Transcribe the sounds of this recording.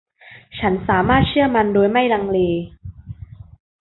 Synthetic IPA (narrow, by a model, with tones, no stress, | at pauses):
t͡ɕʰa˦˥nsaː˩˦maː˥˩t̪̚t͡ɕʰɯ˥˩ɐma˧ndoː˧jma˥˩jɾa˧ŋleː˧